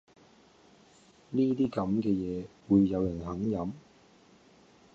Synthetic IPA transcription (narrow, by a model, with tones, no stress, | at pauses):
niː˥t̪iː˥kɐ˨˥mkɛː˧jɛː˨˧wuː˨˧jːɐ˨˧wjɐ˨˩nɦɐ˨˥ŋjɐ˨˥m